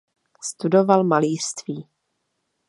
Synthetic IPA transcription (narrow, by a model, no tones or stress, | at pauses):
st̪udo̞valmaliːr̥st̪viː